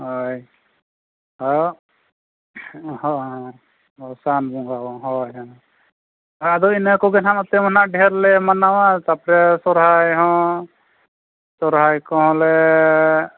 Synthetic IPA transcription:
ɦɔj | ɦajo | hɔɦã | ɔsanbɔŋɡawɔɦɔjɦã | ɦɔjad̪ɔinəkɔɡɛnanɔt̪ɛmɔnaʔɖʱɛɾlɛmanawat̪apɾɛsɔɾɦajɦɔ̃ | sɔɾɦajkɔɦɔ̃lɛ

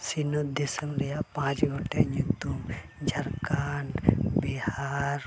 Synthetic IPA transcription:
sinod̪esəŋɾijapãt͡ʃɡʱoʈjaɲukt̪um | d͡ʒʱɐɾkaɳʈbihaɾ

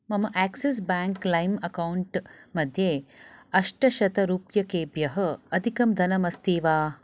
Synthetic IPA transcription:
mɐmɐʔæːkses̬baːŋklɐjmɐkɐwuɳʈmɐd̪ʱjeːɐʂʈɐʃɐt̪ɐɾuːpjɐkeːbjɐɦɐ̆ɐd̪ʱikɐmd̪ʱɐnɐmɐst̪iːʋaː

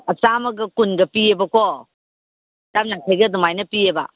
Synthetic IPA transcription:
ɐt͡ʃamɐɡɐkunɡɐpiebɐko | tamnakʰejɡɐdumajnɐpiebɐ̰

